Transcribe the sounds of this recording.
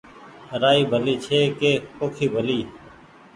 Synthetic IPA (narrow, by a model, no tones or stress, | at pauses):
ɾaːiːbʱəliːt͡ʃʰeːkeːkoːkʰiːbʱəliː